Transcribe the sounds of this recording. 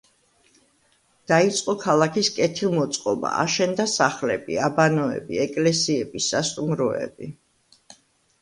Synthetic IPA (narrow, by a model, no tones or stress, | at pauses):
d̪̥ait̪sʼqʼɔkʰalˠakʰiskʼɛt̪ʰilˠmɔt̪sʼqʼɔba̰a̰ʃɛnd̪asaχlɛbḭabanɔɛ̰biɛkʼlɛsiɛbisːast̪ʼumɾɔɛ̰bi